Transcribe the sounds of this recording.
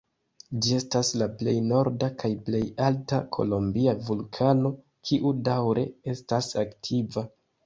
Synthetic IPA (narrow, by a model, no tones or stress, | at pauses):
d͡ʒie̞staslaple̞̰jno̞ɾdakʰajple̞jaltakʰo̞̰lo̞mbiavulkʰano̞ | kʰiʔudawɾʔe̞̰e̞stasaktʰiva